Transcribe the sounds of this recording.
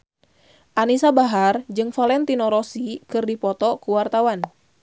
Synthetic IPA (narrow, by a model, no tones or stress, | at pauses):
ʔanisabaɦard͡ʒɨŋfalɛnt̪inɔɾɔsikɨrdipɔt̪ɔkuwart̪awan